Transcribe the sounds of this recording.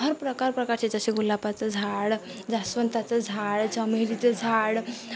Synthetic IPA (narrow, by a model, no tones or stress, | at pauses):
ɦəɾpɾəkaɾpɾəkaɾt͡ɕed͡zəɕeɡulapat͡səd͡zʱaɽ | d͡zasʋənt̪at͡səd͡zʱaɽt͡səmiɾit͡səd͡zʱaɽ